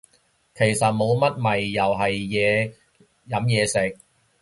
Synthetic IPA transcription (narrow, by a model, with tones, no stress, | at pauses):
kʰe˨˩jsɐ˨t̚mo˨˧wmɐ˥t̚mɐ˨jːɐ˨˩wɦɐ˨jːɛː˨˧ | jɐ˨˥mjɛː˨˧sɪ˨k̚